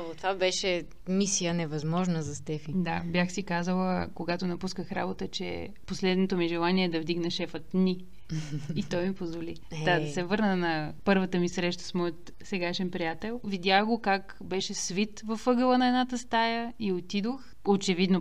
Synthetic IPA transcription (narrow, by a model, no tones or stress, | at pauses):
ot̪vabɛʃɛ | misijənɛvɐzmɔʒnəzɐst̪ɛfid̪abjaxsikazəlˠəkoɡat̪onɐpuskəxɾa̰bot̪ət͡ʃɛ̰ | poslɛd̪not̪omiʒɛlˠaniɛd̪ɐvd̪iɡnɐʃɛfət̪niː | t̪ɔjmipozvoli | d̪ad̪ɐsɛvɤɾnənɐpɤɾvət̪əmisɾɛʃt̪ə̥smɔjt̪ | sɛɡaʃɛnpɾijat̪ɛlˠvid̪ʲjaxɡokak | bɛʃɛsvit̪vəfɤɡəlˠənɐɛd̪nat̪əst̪ajəiot̪id̪ox | ot͡ʃɛvid̪no